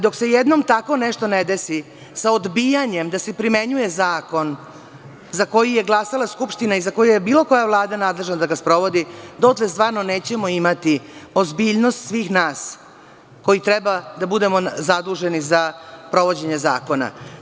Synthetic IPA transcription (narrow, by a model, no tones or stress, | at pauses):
d̪o̞ksejed̪no̞mt̪ako̞neʂt̪o̞ned̪esi | saod̪bijaɲe̞md̪asepɾime̞ɲuje̞zaːko̞n | zako̞jije̞ɡlˠasalˠaskupʃt̪inaizako̞jujebiːlˠo̞ko̞javlˠaːd̪anaːd̪le̞ʒnad̪aɡaspɾo̞ʋo̞d̪id̪ot̪lest̪ʋaːɾnone̞ːt͡ɕe̞moimat̪io̞zbiːʎno̞st̪sʋiːxnaːs | ko̞jit̪ɾebad̪abud̪e̞mozad̪uʒe̞nizapɾo̞ʋo̞d͡ʑe̞ɲeza̰ːko̞na̰